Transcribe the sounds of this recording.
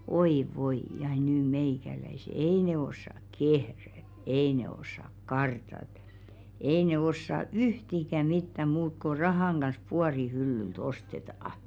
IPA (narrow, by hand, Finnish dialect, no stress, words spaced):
oi ʋoi jɑ nyː meikælæise ei neː osːɑk kehræ ei ne osːɑk kɑrtɑt ei ne osːɑ yhtikæ mitːæ muːk ko rɑhɑˑŋ ɡ̊ɑns puɑri hylːylt ostetɑɑh̆